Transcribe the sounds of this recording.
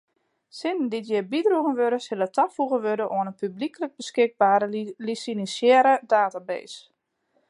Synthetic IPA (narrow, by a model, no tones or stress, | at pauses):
sɪnənditjɪbidruɣənʋøɾəsɪlˠətʰafuɣəʋødəʔɔənənpyblikələɡ̚bəskɪɡ̚baːɾəlisinisjɛɾədaːtabḛːs